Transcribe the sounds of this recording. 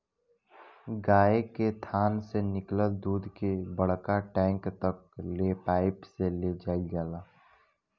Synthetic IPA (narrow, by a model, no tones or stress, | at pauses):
ɡaːeket̪ʰaːnsenɪkləd̪uːd̪kebəɽ̤kaʈɛ̃ːŋkt̪ɐk̚leːpaːɪpseled͡ʒaːid͡ʒaːlaː